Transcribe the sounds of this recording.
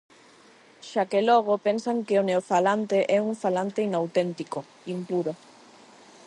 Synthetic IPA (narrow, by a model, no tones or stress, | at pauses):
ʃakelɔɣ̞opensaŋkeoneofalant̪eʔɛuɱfalant̪einawt̪ent̪iko | impuɾo